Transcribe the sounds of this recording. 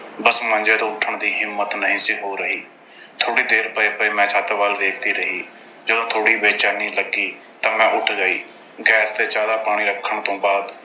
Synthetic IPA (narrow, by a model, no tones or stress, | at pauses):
bəsmə̃nd͡ʒeːt̪õːʊʈʰːəɳd̪iːɦɪmːət̪nəɦĩːsɪkɦoːɾəɦiː | t̪ʰoːɽiːd̪eːɾbəepəiːmɛ̃ːt͡ʃʰaːt̪ːʋaːlʋeːkʰt̪iːɾəɦiː | d͡ʒəd̪õːt̪ʰoːɽiːbeːt͡ʃaːnĩːləɡːiː | t̪ãːmɛ̃ːʔʊʈʰd͡ʒaːiː | ɡɛːst̪eːt͡ʃaːd̪aːpaːɽ̃iːɾəkʰːəɳt̪õːbaːd̪